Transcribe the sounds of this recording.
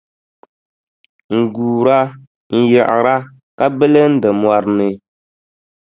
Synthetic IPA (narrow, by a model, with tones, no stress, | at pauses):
ŋ̩˨ɡuː˨ɾa˦ | n̩˦jɛ˨ʔɪ̰˨ɾa˦ | ka˦bɛ˦lɛ˦n̩˦dɨ˨mwa˨ɾnɨ˨